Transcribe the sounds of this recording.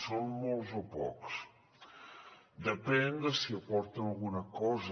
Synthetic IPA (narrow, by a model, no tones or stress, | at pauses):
sonmolˠzopɔ̰ks | d̪əpɛnd̪əsiəpɔɾt̪ənɐlˠɣunəkɔz